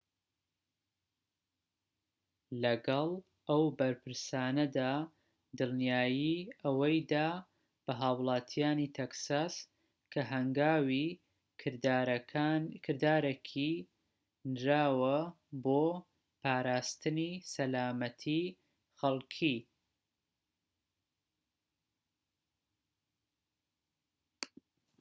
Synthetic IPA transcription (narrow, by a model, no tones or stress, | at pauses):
lɐɡɐlˠ | ʔɐwbɐɾpʰɨɾsaːnɐd̪aː | d̪ɨlˠnjaːjiʔɐwɐjd̪aː | b̥ɐɦaːwlˠɑːt̪ʰijaːnit̪ʰeksas | kʰɐɦɐŋɡaːwi | kʰɨɾd̪aːɾekʰi | nɾaːwɐ | boː | pʰaːɾaːst̪ɨnisɐlaːmɐt̪ʰi | xɐlˠkʰi